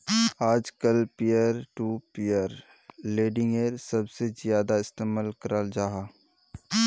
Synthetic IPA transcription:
aːd͡ʒkəlpijəɾʈuːpɪjəɾ | leːɖɪ̃ŋɡeɾsɐbsezjaːd̪aɪst̪eːmaːlkəɾald͡ʒaːɦaː

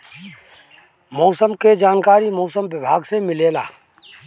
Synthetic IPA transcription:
mɔːsəmked͡ʒaːnkaːɾimoːsəmʋɪbʱaːɡsemɪleːla̰ː

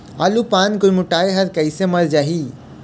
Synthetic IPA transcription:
aːlupaːnkʊjmʊʈaːeɦɐɾkɐisemɐld͡ʒaːɦiː

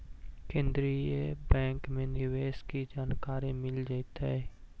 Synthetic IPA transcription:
kẽːnd̪ɾiebɛ̃ːŋkmẽnɪɾʋeːʃkid͡ʒaːnkaːɾimɪld͡ʒaːit̪aɦɛː

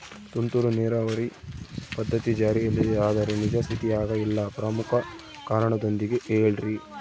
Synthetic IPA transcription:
t̪unt̪uɾuneːɾaʋɐɾipɐd̪ʱːɐt̪id͡ʒaːɾiɐlːid̪eaːd̪ɐɾenid͡ʒɐst̪ʰit̪ijaːɡɐilːɐpɾɐmukʰɐ | kaːɾɐɳɐd̪o̞nd̪iɡeʔeːɭɾi

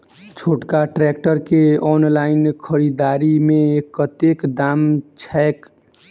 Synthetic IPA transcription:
t͡ʃʰoʈkaʈɾɛkʈəɾkeɔnlaɪnkʰəɾid̪aɾimekət̪ekd̪amt͡ʃʰɛek

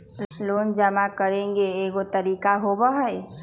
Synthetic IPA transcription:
loːnd͡ʒəmakəɾẽŋɡeːɡot̪əɾiːkaɦobəɦəj

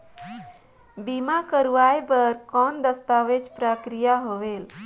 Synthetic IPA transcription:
bimakəɾuʋajbəɾkɔnd̪əst̪aʋed͡ʒpɾəkɾijaɦoʋel

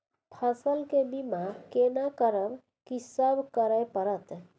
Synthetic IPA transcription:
pʰəsəlkebimakenakəɾəb | kisəbʱkəɾəjpəɾət̪

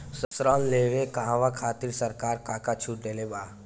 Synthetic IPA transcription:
səsɾaːnleːʋekaɦãʋakʰaːt̪iɾsɐɾkaːɾkaːkat͡ʃʰuːʈɖelebaː

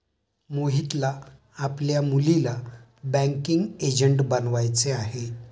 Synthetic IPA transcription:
moɦit̪laː | pljamulila | bæ̃ŋkiŋɡed͡ʑəɳʈbənʋajt͡seaɦe

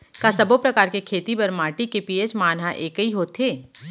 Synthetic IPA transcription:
kasɐbopɾɐkaːɾkekʰeːt̪ibɐɾmaːʈikepiet͡ʃmaːnɦaʔeːkəiɦoːt̪ʰeː

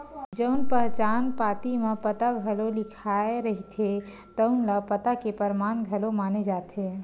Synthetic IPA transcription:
d͡ʒəʊnpəɦt͡ʃanpat̪imepət̪aɡʱəlolikʰaeɾəɦit̪ʰe | t̪əʊnlapət̪akepəɾmanɡʱəlomaned͡ʒat̪ʰe

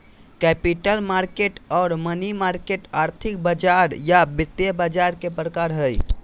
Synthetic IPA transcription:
kɛːpɪʈəlmaːɾkeːʈɔːɾmənimaːɾkeːʈaːɾt̪ʰɪk̚bəd͡ʒaːɾjabɪt̪ebad͡ʒaːɾkepɾəkaːɾɦəj

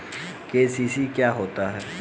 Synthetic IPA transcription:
keːsiːsikjaːɦoːt̪aɦɛː

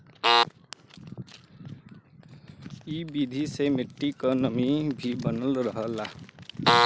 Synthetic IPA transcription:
ibid̪ʱisemeʈːikʌnʌmibʱibʱʌnʌlrʌɦʌla

